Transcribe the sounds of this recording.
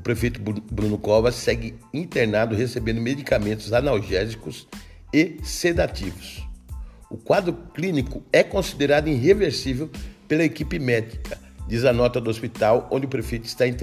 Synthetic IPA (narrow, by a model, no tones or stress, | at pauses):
ʊpɾefejt̪ʊbɾũnʊkɔvɐsːɛɡɪĩnt̪eɾnad̪ʊhesebẽnd̪ʊmed͡ʒ̪ikamẽnt̪ʊzanawʒɛzikʊs | esed̪at̪ivʊs | ʊkwad̪ɾʊklĩnikʊɛkõsid̪eɾad̪ʊĩɦeveɾsivewpelɐekipɪmɛd͡ʒi̥kʰɐ | d͡ʒizɐnɔt̪ɐd̪ʊospit̪awõd͡ʒɪʊpɾefejt̪ʊɪ̥st̪aĩt̪